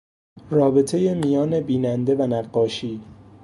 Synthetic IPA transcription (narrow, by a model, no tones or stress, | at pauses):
rɒːbe̞t̪ʰe̞je̞mijɒːne̞biːnænd̪e̞vænæɢːɒːʃiː